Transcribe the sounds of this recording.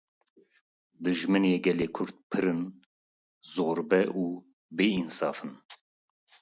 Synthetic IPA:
d̪ɨʒmɨneːɡɛleːkʰʊɾt̪̚pʰɨɾɨn | zoːɾbɛʔuː | beinsɑːfɨn

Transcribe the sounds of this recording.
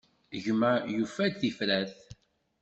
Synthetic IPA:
ʝmæjufæθifɾæθ

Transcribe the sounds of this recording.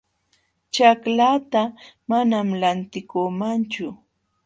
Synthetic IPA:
t͡ʃaklat̪amanamlant̪ɪkomant͡ʃʊ

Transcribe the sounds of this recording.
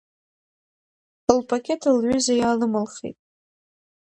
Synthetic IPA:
lpʰakʲʼe̞tʰɨlʕʷʊzajalɨmɨlχḛtʼ

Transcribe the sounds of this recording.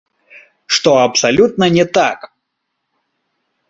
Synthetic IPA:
ʂt̪ɔɐpsalʲut̪̚nɐnʲɛt̪ak

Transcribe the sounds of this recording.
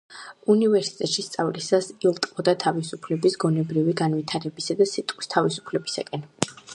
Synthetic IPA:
univɛɾsi̥t̪ʼɛt̪ʃist̪sʼavlisasilˠt̪ʼɔd̪at̪ʰavisupʰlɛbisɡɔnɛbɾiviɡanvit̪ʰaɾɛbisad̪asit̪ʼqʼwist̪ʰavisu̥pʰlɛbisa̰kʼɛn

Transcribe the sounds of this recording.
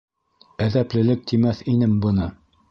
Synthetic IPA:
æðæplɘ̆lɘk̚t̪imæθinɘmbɤ̆nɤ

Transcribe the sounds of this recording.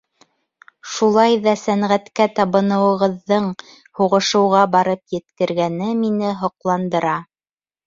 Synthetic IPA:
ʃulˠɑjðɑsæɴʁæt̪kæt̪ɑβɤ̆nɤ̆wɤ̆ʁɤ̆ðːɤɴ | huʁɤ̆ʃɤ̆wʁɑbɑɾɤpjɘ̆t̪kɘ̆ɾɡænɘminɘɦŏqlˠɑnd̪ɤ̆ɾɑ

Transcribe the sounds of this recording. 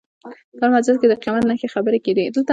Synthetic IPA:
pəmazɾad̪̚ked̪əqimat̪naxexabəɾeked̪id̪əlt̪a

